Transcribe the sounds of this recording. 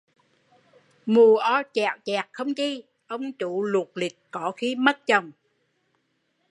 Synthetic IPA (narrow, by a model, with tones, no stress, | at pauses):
mu˨˩əʔɔ˧˦t͡ɕaː˨˩t͡ɕaː˨˩k̚xə˧wŋ͡mt͡ɕi˧ | ʔə˧wŋ͡mt͡ɕu˧˨lu˨˩k̚li˨˩k̚kɔ˧˩˦xi˨˦mə˦˥t̚t͡ɕə˨˩wŋ͡m